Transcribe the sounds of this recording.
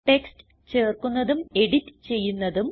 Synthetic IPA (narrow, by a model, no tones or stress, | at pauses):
ʈe̞kst | t͡ɕe̞ːrkunːɐðume̞ɽitːɨ̥t͡ɕe̞jːunːɐðum